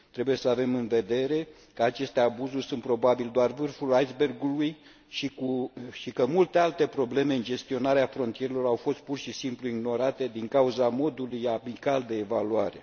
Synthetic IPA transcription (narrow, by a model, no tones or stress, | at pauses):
t̪ɾe̞buje̞səave̞mɨnve̞d̪e̞ɾe̞ | kəat͡ʃe̞st̪e̞abuzurʲsunt̪̚pɾo̞babild̪oarvɨrfulajzbe̞rɡuluj | ʃikuʃikəmult̪e̞alt̪e̞pɾo̞ble̞meɨnd͡ʒe̞st̪io̞naɾeafɾo̞nt̪ije̞ɾelo̞ɾawfo̞st̪̚purʃisimpluiɡno̞ɾat̪e̞d̪iŋkauzamo̞d̪ulujabikald̪e̞ːvaluaɾe̞̰